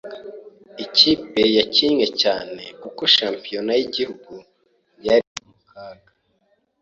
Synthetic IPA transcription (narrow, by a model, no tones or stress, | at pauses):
iciːpe̞jaciɲŋe̞caːne̞kuko̞ʃaːmpijo̞najiɟihuɡu | jaɾimumukaːɡa